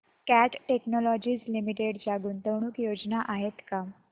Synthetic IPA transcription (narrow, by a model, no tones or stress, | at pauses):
kæʈʈeknɔlɔd͡ʑiːd͡zlimiʈeɽd͡zaɡuːnt̪əwɳuːkjod͡znaʔaɦet̪ka